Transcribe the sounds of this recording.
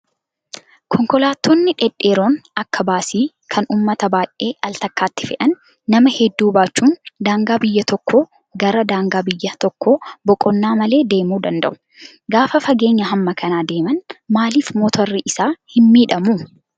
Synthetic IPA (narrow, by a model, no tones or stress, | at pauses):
kʰɔŋkɔlaːt̪ːoːnːɪᶑɛᶑe̞ːɾo̞ːnɐkːɐbaːsiː | kʰɐnuːmːɐt̪ɐbaːjʔʔeːʔɐlt̪ɐkːaːt̪ːɪ̥fɛʔɐnː | ɐmɐhɛd̪ːuːbaːt͡ʃːuːnd̪aːŋɡaːbɪjːɐt̪ɔkʰːoː | ɡɐɾɐd̪aːŋɡaːbɪjːɐt̪ɔkːoːbɔkʼɔnːaːmɐle̞ːd̪e̞ːmuːd̪ɐnd̪ɐ̰ʔʊ̥ | ɡaːfɐfɐɡe̞ːɲːɐɦɐmːɐkʰɐnaːd̪e̞ːmɐnmaːliːfmɔːt̪ʰɔrːɪʔɪsaːhɪmːiːᶑɐmʊ